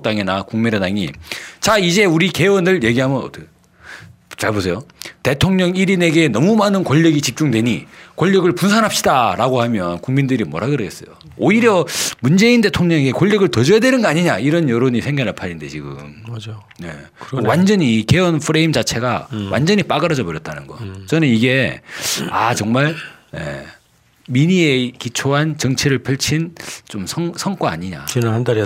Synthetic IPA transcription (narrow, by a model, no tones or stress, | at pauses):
kt͈aŋinakuŋminedaŋḭt͡ɕaid͡ʑe̞uɾike̞wʌnɯɭje̞ɡiɦamjʌnʌ̰t | t͡ɕaɭbosʰe̞jote̞tʰoŋɲʌŋiɾine̞ɡe̞nʌmumanɯnkwʌʎːʌɡit͡ɕip̚t͡ɕ͈uŋdwe̞ɲikʌʎːʌɡɯɭpunsʰanɦap̚ɕ͈idaɾaɡohamjʌnkuŋmindɯɾimwʌ̰ɾɦaɡɯɾɯɡes͈ʌ̰jo̰ | oiɾjʌmund͡ʑe̞inde̞tʰoŋɲʌŋeɡekwʌʎːʌɡɯɭtʌd͡ʑʌjadwe̞nɯnɡʌaɲiɲaiɾʌnjʌɾoɲisʰeŋɡaɾɯɭpʰaɾindet͡ɕiɡɯ̰mad͡ʑ | ne̞̰ | wand͡ʑʌɲike̞ʌnpʰɯɾe̞imd͡ʑat͡ɕʰe̞ɡawʔa̰nd͡ʑʌɲip͈aɡɯɾʌd͡ʑʌbʌɾjʌt͈anɯnɡʌ̰t͡ɕʌnɯniɡe̞ | at͡ɕʌŋmaɭ | jḛ | miɲie̞kit͡ɕʰoɦant͡ɕʌŋt͡ɕʰiɾɯɭpʰɯɭt͡ɕʰint͡ɕomsʰʌŋsʰʌŋk͈waa̰ɲiɲa̰enandaɾ